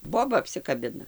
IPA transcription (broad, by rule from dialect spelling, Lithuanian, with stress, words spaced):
ˈboːbɐ ɐpʲsʲɪkɐˈbʲɪnɐ